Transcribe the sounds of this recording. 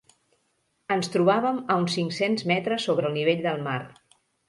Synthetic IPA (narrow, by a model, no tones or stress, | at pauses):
ənst̪ɾuβaβəməunsiŋksenzmɛt̪ɾəsːoβɾəːlˠniβ̞eʎʲd̪əlˠmar